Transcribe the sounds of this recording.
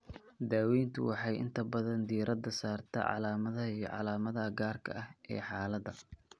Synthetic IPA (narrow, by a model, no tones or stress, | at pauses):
d̪aːwɛjnt̪ʰʊ̰wɑħɑjʔɪ̰nt̪ʰɐbɐðɐnd̪iːɾɐd̪ɐsaːrt̪ʰɐ̰ʕɑ̰laːmɐðɐijɞʕɑ̰laːmɐðɐɡaːrkʰɐ̰ʔɐhʔɛ̰ːħɑːlɐd̪ɐ